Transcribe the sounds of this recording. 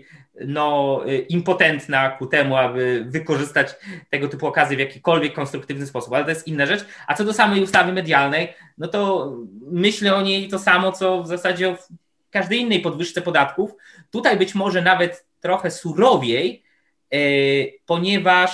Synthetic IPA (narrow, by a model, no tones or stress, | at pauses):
nɔimpɔt̪ɛnt̪nakut̪ɛmuabɘvɘkɔʐɘst̪at͡ɕt̪ɛɡɔt̪ɘpuɔkazjɛvjakʲikɔlvʲjɛkːɔnst̪ɾukt̪ɘvnɘspɔsu̥palɛt̪ɔjɛst̪inːaʐɛt͡ʂat̪sɔd̪ɔsamɛjust̪avɘmɛd̪jalnɛjnɔt̪ɔ | mɘɕlɛɔɲejt̪ɔsamɔt̪sɔvzasad͡ʑɛɔf | kaʐd̪ɛjinːɛjpɔd̪vɘʂt̪sɛpɔd̪at̪kuf | t̪ut̪ajbɘt͡ɕmɔʐɛnavɛt̪ːɾɔxɛsuɾɔvʲjej | pɔɲɛvaʂ